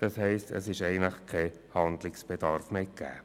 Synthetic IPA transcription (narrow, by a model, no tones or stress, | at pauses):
d̥ɑshɛɪstə̰sɪʃɛɪənləχkʰɛ | hɑndlɪksb̥ɛd̥ɑɾfmekːɛ̰ː